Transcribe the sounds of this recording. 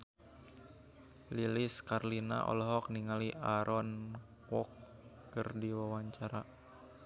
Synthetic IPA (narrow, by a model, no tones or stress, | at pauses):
liliskarlina̰ʔɔ̰lɔɦɔk̚niŋaliʔaɾʔɔn | kwɔkː | ɨrdiwawaɲt͡ʃaɾa